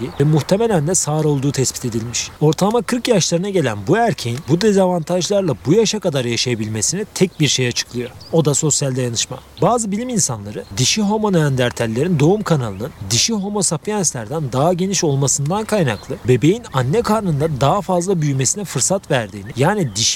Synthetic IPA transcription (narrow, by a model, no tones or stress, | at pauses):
ivɛmuxt̪ʰe̞me̞lʲænd̪ɛsaːɾo̞lˠd̪uːt̪ʰɛspit̪ʰe̞d̪ilʲmiʃo̞ɾt̪ʰamakʰɯɾkjaʃlˠaɾɯnaɟe̞lʲænbuæɾcʰejinbud̪ezavant̪ʰaʒlˠaɾlˠabujaʃakad̪aɾjaʃajabilʲme̞sinit̪ʰɛc̚biɾʃejat͡ʃʰɯ̥klˠɯjo̞ɾo̞d̪aso̞sjalʲd̪ajanɯʃma̰baːzɯbilʲiminsanlˠaɾɯd̪iʃiɦo̞mo̞nænd̪æɾt̪ʰælʲːe̞ɾind̪o̞umkʰanalˠɯnɯnd̪iʃiɦo̞mo̞sapʰijɛnslʲæɾd̪ænd̪aɦaɟe̞niʃo̞lˠmasɯnd̪ankʰajnaklˠɯbe̞be̞jinanːɛkʰaɾnɯnd̪ad̪aɦafazlˠabyjme̞sinɛfɯɾsat̪væɾd̪iːnijaːnid̪iʃi